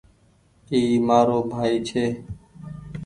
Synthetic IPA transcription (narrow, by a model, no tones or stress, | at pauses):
iːmaːɾoːbʱaːiːt͡ʃʰeː